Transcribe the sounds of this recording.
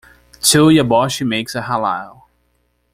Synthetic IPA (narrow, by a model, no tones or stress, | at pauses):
tʰɪlˠjəbɔʃimeɪksəhala̰ɪlˠ